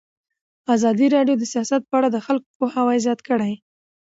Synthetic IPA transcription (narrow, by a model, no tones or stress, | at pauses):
azɑd̪iɾɑɖjod̪əsijɑsat̪̚pəaɽad̪əxalkopohawajzjɑt̪kəɽaj